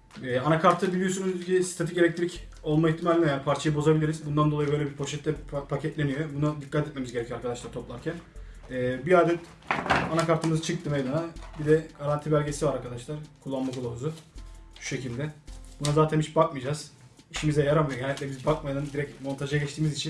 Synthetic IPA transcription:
ɛːanakʰaɾt̪ʰɯbilʲijo̞s̬unuzcisi̥t̪ʰet̪ʰice̞lʲɛct̪ʰiɾʲic | o̞lˠmaiçt̪ʰimalʲinɛjanpʰaɾt͡ʃʰajɯbo̞zabilʲiɾizbund̪and̪o̞lˠajɯbølʲɛbiɾpʰo̞ʃɛt̪ːʲɛpʰacʰɛt̪lʲe̞nyjobunad̪ikʰːat̪ʰɛt̪me̞mizɟeɾɛcʰyøaɾkʰad̪aʃlˠaɾt̪ʰo̞plˠaɾcʰæn | ɛːbiaːd̪ɛt̪ | anakaɾt̪ʰɯmɯzɯt͡ʃʰɯk̚t̪ɯmejd̪anabid̪ɛɡ̥aɾant̪ʰibælʲɟe̞sivaɾaɾkʰad̪aʃlˠaɾkʰulˠːanmakʰolˠaβuzʊʃu̥ʃe̞cilʲd̪ɛb̥unazaːt̪ʰænit͡ʃbakmɯd͡ʒaz̥ | iʃimizɛjaɾamajoɟɛnɛclʲɛbizbak̚majd̪and̪iɾɛcmo̞nt̪ʰaʒjaɟɛt͡ʃt̪ʰiːmizit͡ʃʰin

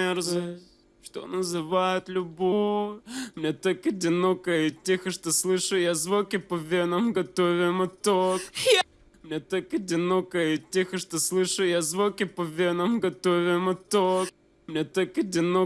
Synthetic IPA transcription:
erzɨ | ʂt̪o̰nəzɨvajʊt̪lʲʊbo | mnʲet̪akɐdʲɪno̞kəjtʲːexəʂt̪oslˠɨʂʊjazvokʲɪpɐvʲenəmɡɐt̪ovʲɪmɨt̪ok | mnʲet̪akɐdʲɪno̞kəjɪtʲːexəʂt̪oslˠɨʂɨjazvokʲɪpɐvʲenəmɡɐt̪ovʲɪmɨt̪ok̚ | mnʲet̪akɐdʲɪno

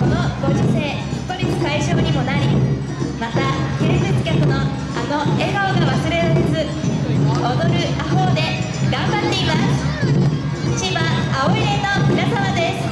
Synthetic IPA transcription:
ko̞no̞ɡo̞ʑiseː | st̪o̞ɾʲit͡sɨ̥kaiʑo̞ːɲ̟imo̞naɾʲi | mat̪ake̞ːset͡sɨ̥kʲakɯ̟no̞ | a̰no̞e̞ɡaoɡaβasɨɾe̞ɾaɾezɨ | od̪o̞ɾɯ̟aɦo̞ːd̪e̞ | ɡãmbat̪ːe̞imasɨ̥ | t͡ɕiβaːoiɾe̞no̞mʲinasamad̪e̞sɨ̥

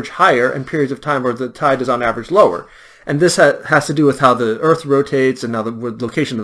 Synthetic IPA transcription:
ʒ̥haɪə˞ʔɨ̰̃npʰɪɹiɨdzʌv̥tʰãɪ̃mwə˞ðɨtʰaɪɾɨzn̩ævɹɨd͡ʒloʊə̰˞ | ʔɨ̃nðɪshæz̥tʰɨdɨwɨð̥haʊðiɜ˞θɹoʊtʰeɪtsɨ̃nːaʊðəloʊkʰeɪʃɨ̃nʌ

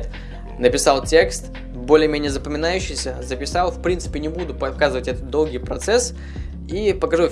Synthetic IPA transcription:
t̪ | nəpʲɪsɑlˠtʲe̞kst̪ | bolʲɪjəmʲenʲɪjəzəpəmʲɪnajʉɕːɪjsʲəzəpʲɪsɑlˠfpɾʲint̪sɨ̥pʲɪnʲɪbud̪ʊpɐkazɨvətʲɛt̪ət̪̚d̪o̞lˠɡʲijpɾɐt̪sɛs | ipəkɐʐu

